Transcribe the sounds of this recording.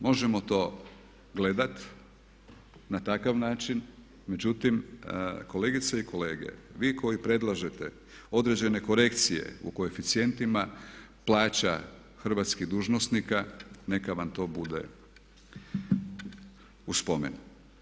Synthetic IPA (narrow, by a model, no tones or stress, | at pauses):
mo̞ʒemo̞t̪o̞ː | ɡle̞d̪at̪ | nat̪akaʋnaːt͡ʃin | me̞d͡ʑut̪imko̞le̞ːɡit̪seikʰo̞le̞ːɡe̞̰ʋiːko̞jipɾe̞d̪lˠaʒe̞t̪e | o̞d̪ɾe̞d͡ʑe̞ne̞ko̞ɾe̞kt̪sije̞̰ṵko̞efit̪sie̞nt̪ima | plˠaːt͡ɕa | xr̩ʋat̪skid̪uːʒnosnikane̞kaʋamt̪o̞ːbud̪e̞̰ | uspo̞me̞̰nu